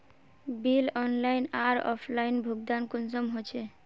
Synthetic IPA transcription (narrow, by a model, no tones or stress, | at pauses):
bilɔnlainaɾɔ̰pʰlainbʱuɡ̚d̪ankunsɔmɦot͡ʃʰe